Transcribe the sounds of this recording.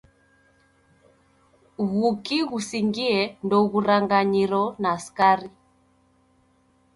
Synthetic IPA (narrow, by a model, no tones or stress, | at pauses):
ɣukiɣusiŋɡiɛndɔɣuɾaŋɡaɲiɾɔnaskaɾi